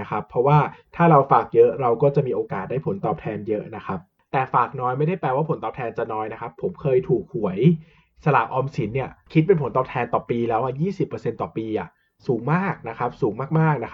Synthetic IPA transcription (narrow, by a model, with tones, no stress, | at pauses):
kʰa˦˥pʰɾɔ˦˥waː˥˩t̪ʰaː˥˩ɾa˧wfaː˨˩k̚jɤ˦˥ʔɾa˧wkɔː˥˩t͡ɕa˨˩ʔmiː˧ʔoː˧kaː˨˩t̪̚da˥˩jpʰo˩˦nt̪ɔː˨˩p̚t̪ʰɛː˧njɤ˦˥ʔna˦˥kʰa˦˥p̚ | t̪ɛː˨˩faː˨˩k̚nɔː˧˥jma˥˩jda˥˩jpɛː˧waː˥˩pʰo˩˦nt̪ɔː˨p̚t̪ʰɛː˧nt͡ɕa˨˩nɔː˦˥jna˦˥kʰa˦˥pʰːo˩˦mkʰɤː˧jt̪ʰuː˨˩k̚hu˩˦əj | sa˧laː˨˩mʔɔː˧msi˩˦nːi˥˩ɐkʰi˦˥t̪̚pe˧npʰo˩˦nt̪ɔː˨˩p̚t̪ʰɛː˧nt̪ɔː˨˩piː˧lɛː˦˥wʔa˧˩jiː˥˩si˨˩pːɤː˧se˧nt̪ɔː˨˩piː˧ʔa˨˩ʔ | suː˩˦ŋmaː˥˩k̚na˦˥kʰa˦˥p̚suː˩˦ŋmaː˥˩k̚maː˥˩k̚na˦˥˦